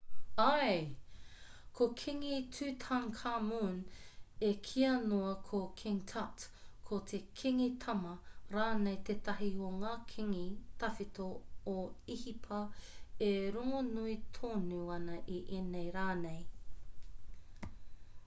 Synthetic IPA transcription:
aj | kʰokʰiŋitʰʉːtʰaŋkʰamunekʰiɐnoɐkʰokʰiŋtʰatkʰotʰekʰiŋitʰɐmɐɾaːnejt̪ʰeːtɐɦioŋaːkʰiŋit̪ʰɐfit̪ooihipʰɐeɾoŋonuitʰoːnuɐnɐʔiʔenejɾaːnej

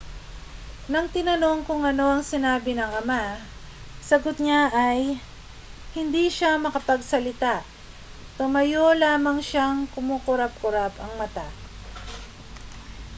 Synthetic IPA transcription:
nɐŋt̪ɪnɐno̞ŋkʊŋɐno̞ɐŋsɪnaːbɪnɐŋɐma | sɐɡot̪̚ɲaʔɐj | hɪnd̪iʃamɐkɐpɐɡ̚sɐlɪt̪aʔ | t̪ʊmɐjo̞laːmɐŋʃaŋkʊmukʊɾap̚kʊɾapɐŋmɐt̪a

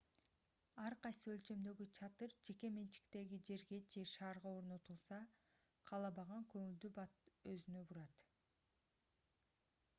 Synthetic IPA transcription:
ɑɾqɑjsɯø̞lʲt͡ʃø̞md̪ø̞ɡyt͡ʃʰɑt̪ɯɾd͡ʒe̞ke̞me̞nt͡ʃi̥kt̪e̞ɡid͡ʒe̞ɾɡe̞d͡ʒe̞ʃɑːɾʁɑo̞ɾno̞t̪ulˠsɑ | qʰɑlˠɑbɑʁɑŋkø̞ŋyld̪ybɑt̪øzynøbuɾɑt̪

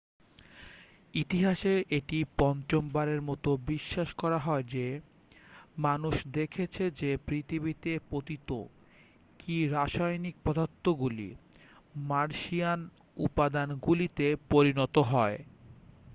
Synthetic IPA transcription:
it̪iɦaʃeʔeʈipɔnt͡ɕombaɾeɾmɔt̪obiʃːaʃkɔɾaɦɔed͡ʑe | manuʃd̪ekʰet͡ɕʰed͡ʑepɾit̪ʰibit̪epot̪it̪o | kiɾaʃajnik̚pɔd̪at̪ːoɡulḭ | maɾʃian | ṵpad̪anɡulit̪epoɾinɔt̪oɦɔe

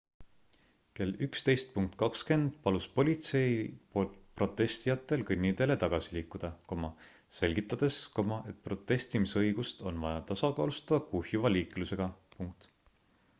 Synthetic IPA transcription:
ke̞lykst̪e̞jst̪̚puŋk̚t̪ˑkɑkske̞nd̪̥pɑluspo̞lʲit̪se̞jpolt̪pro̞t̪ˑːe̞st̪ijɑt̪ːˑe̞lkɯnʲːid̪̥e̞le̞t̪ɑɡ̥ɑsiliːkːˑud̪̥ɑko̞mɑ | se̞lʲɡ̥it̪ˑːɑd̪̥e̞skomɑʔe̞t̪̚pro̞t̪ˑːe̞st̪imisɤ̞jɡ̥ust̪o̞̰nvɑjɑt̪ɑsɑkɑːlust̪ɑd̪̥ɑkuhjuvɑliːkluse̞ɡ̥ɑpuŋk̚t̪

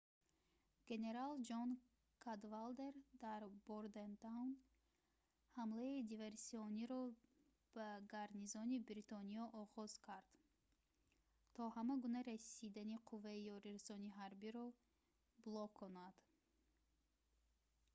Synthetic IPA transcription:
ɡ̥e̞ne̞ɾald͡ʒɔn | kʰad̪vald̪e̞ɾd̪aɾboɾd̪ent̪awn | hamlaid̪iveɾsiɔniɾɔ | b̥aɡaɾnizɔnibɾit̪ʰɔniɔʔɔʁɔz̥kʰaɾd̪̥ | t̪ʰɔhamaɡunaɾasid̪aniqʰuvːaijɔɾiɾasɔniɦaɾbiɾɔ | blˠɔkʰːɔnad̪̥

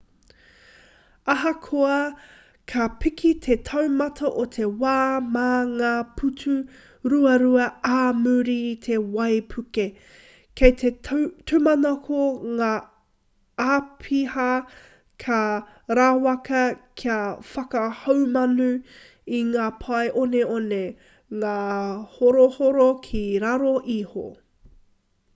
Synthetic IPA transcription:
ɐɦɐkʰoɐ | kʰɐpikʰit̪ʰetʰɐwmɐtʰɐʔot̪ʰe̞waːmaŋaːpʰutʰu | ɾuɐɾuɐaːmuɾit̪ʰewɐjpʰʉke | kʰejtʰet̪ʰumɐnokoŋaː | aːpʰihɐ | kʰɐ | ɾaːwɐkɐkʰiɐfɐkɐhɐwmɐnu | iŋaːpʰɐjʔoneone | ŋaːhoɾohoɾokʰiɾɐɾoʔiho̰

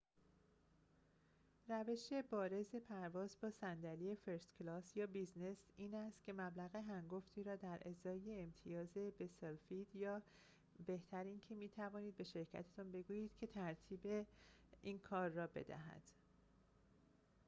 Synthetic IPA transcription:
ɾæve̞ʃe̞bɒːɾe̞ze̞pʰæɾvɒːzbɒːsænd̪ælie̞feɾst̪clɒːsjɒːbiznesiːnæst̪̚cʲʰe̞mæblæɣeɦæŋɡoft̪ʰiːɾɒːd̪æɾʔezɒːjeːmt̪ʰijɒːze̞be̞selfiːd̪jɒː | be̞ht̪ʰæɾiːncʰemiːt̪ʰævɒːniːd̪̚be̞ʃe̞ɾcʰæ̰t̪ʰet̪ʰunbe̞ɡuːjiːd̪̥cʰe̞t̪ʰæɾt̪ʰiːbeiːnkʰɒːɾːɒːbe̞̰d̪æ̰ɦæ̰d̪̥

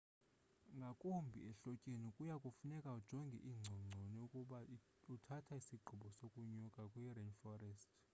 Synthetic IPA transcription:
ŋɡʱakʼumbʱḭɛɬɔcʼenikʼujakʼufunɛkʼaud̥ʒ̥ʱɔŋɡʱɛ̰ʔiːŋ͡ǀʱɔŋ͡ǀʱɔniukʼuɓa | utʰatʰaisiɡ͡ǃʱuɓɔsokʼuɲɔkʼakʼwirɛnfɔrɛstʰʼ

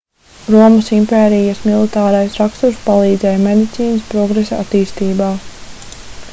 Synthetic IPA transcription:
ɾuɔmusimpeːɾijasmilˠit̪aːɾajsɾakst̪uɾspalˠiːd̪zɛːjamed̪it̪siːnəspɾɔɡɾesaa̰t̪iːst̪iːbaː

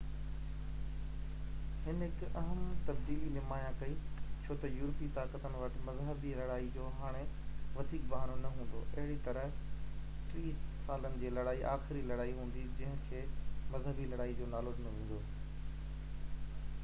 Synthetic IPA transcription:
hɪnɦɪkɐɦəmt̪ɐbd̪iːlilɪmaːjãkɐit͡ɕʰoːt̪ɐjuːɾpit̪aːkət̪ənɪ̆ʋɐʈɪ̆mɐzɦəbilɐɽaːid͡ʑoːɦaːɽ̃eʋɐd̪ʱiːk̚bɐɦaːnonɐɦũːn̆d̪o̰ːʔɐɦɪɽit̪ɐɾəɦ | ʈɾiːsaːlənɪ̆d͡ʑeːlɐɽaːiʔaːxɪɾilɐɽaːiɦũːn̆d̪id͡ʑɐ̃ɦɪ̃kʰeːmɐzɦəbilɐɽaːid͡ʑoːnaːloɖɪnəʋẽːn̆d̪oː

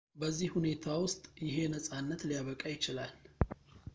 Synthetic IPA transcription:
bəzːihhune̞t̪ʰawʊst̪ʼjɪɦe̞nəsʼanːət̪lijaβəkʼajɪt͡ʃɪlal

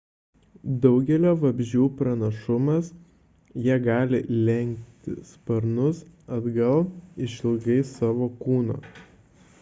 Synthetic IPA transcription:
d̪ɒʊɡʲɛlʲoːʋɐbʲʒʲuːpɾɐnɐʃʊmɐs | jiɛɡɑːlʲɪlʲɛŋʲk̚t̪ʲɪspɐɾnʊsɐd̪ɡɐlˠɪʃɪlˠɡɐɪsɑːʋoːkuːno̰ː

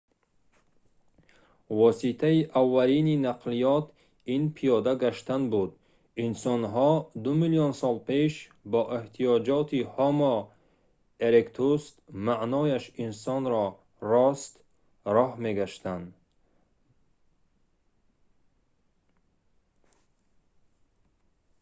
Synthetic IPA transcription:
vɔsit̪ʰaiʔavːalininaqlijɔt̪ʰ | inpʰijɔd̪aɡaʃt̪anbud̪ | insɔnɦɔd̪umilijɔnsɔlpe̞ʃbɔʔeht̪ʰijɔd͡ʒɔt̪ʰihɔmɔ | eɾekt̪ʰust̪maʔnɔjaʃinsɔnɾɔ | rɔst̪ | ɾɔhme̞ɡaʃt̪and̪

